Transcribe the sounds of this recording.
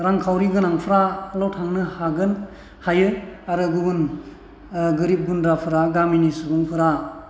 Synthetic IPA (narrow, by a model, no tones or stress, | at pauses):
ɾaŋkʰawɾiɡɯnaŋpʰɯɾalɔtʰaŋnɯhaɡɯn | hajɯaɾɯɡuɡun | ɡɯɾip̚ɡundɾapʰɯɾaɡaminisubɯŋpʰɯɾa